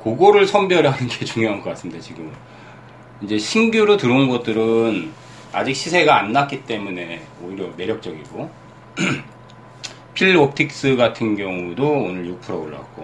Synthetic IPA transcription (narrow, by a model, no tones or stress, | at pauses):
koɡoɾɯɭsʰʌmbjʌɾjʌɦanɯnɡe̞t͡ɕuŋjoɦanɡʌk͈as͈ɯmidat͡ɕiɡɯm | ind͡ʑe̞ɕʰiŋɡjuɾotɯɾɯnɡʌt̚t͈ɯɾɯn | ad͡ʑik̚ɕʰisʰe̞ɡaːnːak͈it͈e̞mune̞oiɾjʌme̞ɾjʌk̚t͡ɕ͈ʌɡiɡo | pʰiɭop̚tʰik̚s͈ɯɡatʰɯnɡjʌŋudoːnɯɭjuk̚pʰɯɾʌoɭːa̰k͈o